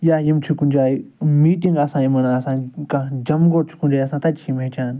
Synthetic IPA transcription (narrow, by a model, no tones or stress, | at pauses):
jajimt͡ʃʰukund͡ʒaːimiːʈĩŋɡɐsãːimɐnaɐsãːkãd͡ʒɐmɡoɾt͡ʃʰu̥kũnd͡ʒaːiɐsãːt̪ɐt͡ʃʰimẽt͡ʃaːn